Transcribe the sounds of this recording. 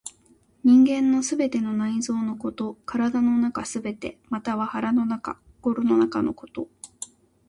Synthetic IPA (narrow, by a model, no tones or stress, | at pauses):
ɲ̟ĩŋɡẽ̞nːo̞sɨbe̞t̪e̞no̞naizo̞ːno̞ko̞t̪o̞kaɾad̪ano̞nakasɨbe̞t̪e̞̰mat̪aβ̞ahaɾano̞naka̰ | ɡ̥o̞ɾono̞nakano̞̰ko̞̥t̪o̞